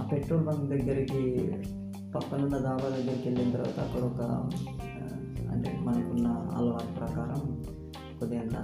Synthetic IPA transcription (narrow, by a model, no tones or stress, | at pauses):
aːpeʈɾoːlbɐŋɡd̪ɐɡːɐɾiki | pɐkːɐnundɐd̪aːbaːd̪ɐɡːɐɾɐkelːinɐt̪ɐɾʋa̰ːt̪ɐːkːɐɽɐɔkɐ̰ | ɐ̰ɳʈḛmɐnɐkunːɐɐ̰lɐʋaːt̪pɾɐkaːɾɐm | kod̪iɐɳʈ̪ɐ̰